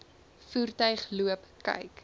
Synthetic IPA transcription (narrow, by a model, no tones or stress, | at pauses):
fuːrtœɥχluəpkɐ̰jk